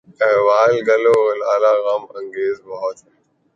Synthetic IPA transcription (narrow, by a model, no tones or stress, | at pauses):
ɛ̃ːʋaːlɡəloːlaːlaːɣəmə̃ŋɡeːzbəɦɔt̪ɦɛː